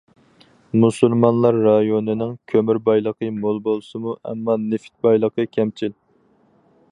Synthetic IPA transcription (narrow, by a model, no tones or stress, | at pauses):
musulˠmɑnlˠɑɾːɑjonɪnɪŋkʲʰømyɾbɑjlˠəqʰəmolˠbolˠsɨmuɛ̰mːɑnefi̥t̪̚bɑjlˠəqʰəkʲʰɛmt͡ʃʰil